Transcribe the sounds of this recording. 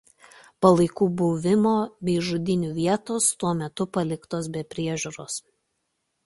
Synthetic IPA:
pɐlˠɐɪkuːbʊʋʲɪmoːbʲɛːʒʊd̪ʲɪnʲuːʋʲiɛt̪oːst̪uɔmʲɛt̪ʊpɐlʲɪkt̪oːs̬bʲɛpʲɾʲiɛʒʲuːɾoːs

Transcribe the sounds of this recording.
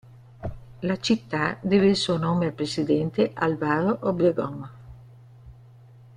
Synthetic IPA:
lat͡ʃit̪ːad̪eveilsuonoːmealpɾesid̪ɛnt̪eʔalvaːɾoʔobɾeɡɔŋ

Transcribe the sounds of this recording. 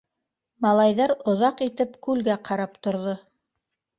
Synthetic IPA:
mɑlˠɑjðɑɾŏðɑqit̪ɘpkʉlɡæqʰɑɾɑpt̪ŏɾðo

